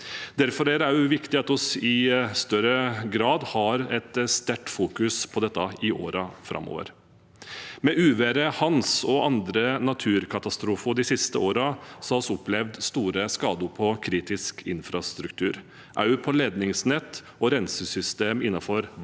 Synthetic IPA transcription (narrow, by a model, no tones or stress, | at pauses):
d̪æɾfɔɾæɾæjʊʋɪkt̪ɪɑt̪ɔsɪst̪œɾəɡɾɑːd̪hɑɾɛt̪st̪æʈfuːkʉspʰɔd̪ɛt̪ːɑɪʔo̰ːɾɑfɾʔɑ̰mːɔ̰ːʋə̰ɾ | mɛʔʉːʋæɾəhɑnsɔɑnd̪ɾənɑt̪ʰʉːɾkʰɑt̪ɑst̪ɾuːfʊɖɪsɪst̪əoːɾɑsɔɑɔsɔplɛʋd̪st̪uːɾəskɑːd̪ʊɾpʰɔkʰɾiːt̪ɪskʰɪ̰nfɾɑst̪ɾʉkt̪ʰʉ̰ːɾ | ʔæ̰ɾjʉpʰɔleːd̪nɪŋsnɛt̪ː | ɔɾɛnsəsʏst̪eːmɪnːɑfɔɾ